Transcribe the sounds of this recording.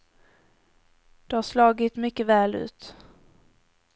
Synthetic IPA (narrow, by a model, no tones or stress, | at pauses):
d̪̥ɛhaʂlɑːɡɪt̪mʏkːəvɛːlʉ̟̰ːt̪